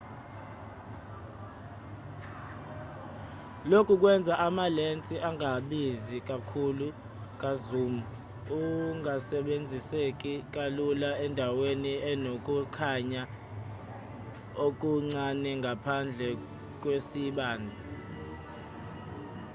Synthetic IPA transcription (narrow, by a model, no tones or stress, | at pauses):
lokʰuk̬ʼwɛnd͡zʱaʔamalent͡sʼiʔaŋaɓizik̬ʼakʰulu | k̬ʼazuːmu | uŋasɛɓend͡zʱisek̬ʼik̬ʼalulaɛndʱaweniɛnokʼukʰaɲa | ok̬ʼuŋ͡ǀanɛŋʱapʰand͡ɮʱɛ | k̬ʼwesiɓaːndʱa